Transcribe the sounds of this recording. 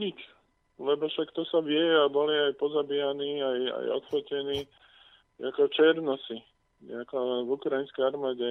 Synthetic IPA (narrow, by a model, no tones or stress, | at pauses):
ɲit͡ʃ | lɛbɔʃakt̪ɔsaʋɪɛɛabɔliajpɔzabijaniːaja̰jɔ̰t̪fɔcɛniː | akɔt͡ʃɛɾnɔsi | akɔvukɾajinskɛjaɾmaːɟɛ